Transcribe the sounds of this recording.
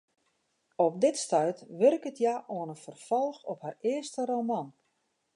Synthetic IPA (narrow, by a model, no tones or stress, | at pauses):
ɔp̚dɪtstœɥtʋɵrkətʰjaʔoənəfərfɔlˠxɔpharɪəstəromɔn